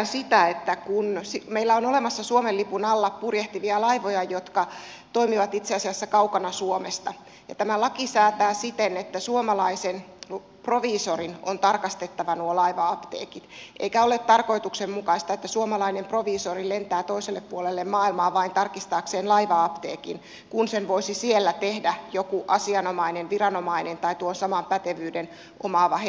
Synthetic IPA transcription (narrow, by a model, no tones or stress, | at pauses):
nsit̪æet̪ːækunsimeilːæonolemɑsːɑsuomelːipunɑlːɑppurjeht̪iʋiɑlɑiʋojɑjot̪kɑ | t̪oimiʋɑt̪it̪seɑsiɑsːækɑukɑnɑsuomest̪ɑ | jɑ̰t̪æmælɑkisæːt̪æːsit̪enet̪ːæsuomɑlɑisen | proʋiːsorinont̪ɑrkɑst̪et̪ːɑʋɑnuolɑiʋɑɑpt̪ḛːkit̪ʔḛikæo̞let̪t̪ɑrko̞it̪uksemmukɑist̪ɑet̪ːæsuomɑlɑinempro̞ʋiːsorilent̪æːt̪o̞iselːeppuolelːemmɑːilmɑːʋɑint̪ɑrkist̪ɑːkseːnlɑiʋɑɑpt̪eːkin | kunsenʋoisisielːæt̪ehdæjokuʔɑsiɑnomɑinenʋirɑno̞mɑinent̪ɑit̪uonsɑmɑmpæt̪eʋyːden | omɑʋɑhe